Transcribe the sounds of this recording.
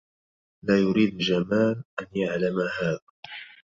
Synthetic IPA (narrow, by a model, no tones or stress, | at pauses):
laːjʊɾiːd̪d͡ʒamaːlʔanjaʕlamahaːða